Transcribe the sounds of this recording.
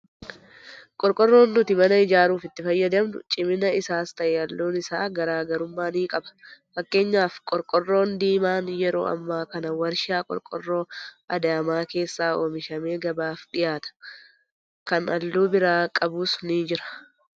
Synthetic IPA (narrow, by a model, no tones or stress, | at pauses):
kʼɔɾkʼɔrːo̞ːnːʊt̪ɪmɐnɐɪd͡ʒaːɾuːfɪt̪ːɪfɐjːɐd̪ɐmnʊ̰t͡ʃʼɪmɪnɐɪsaːst̪ɐʔeːɐlːoːnɪsaːɡɐɾaːɡɐɾʊmːaːniːkʼɐbɐ̥fɐkːe̞ːɲːaːfkʼɔɾkʼɔrːo̞ːnd̪iːmaːnjɛɾo̞̰ːɐ̰mːaːkɐnɐwɐɾʃaːkʼɔ̰ɾkʼɔ̰rːo̞ːɐd̪ɐɐmaːke̞ːsːaːoːmɪʃɐme̞ːɡɐbaːfᶑɪjaːt̪ɐ̥ | kɐnɐlːuːbɪɾaːkʼɐbuːsniːd͡ʒɪɾɐ̥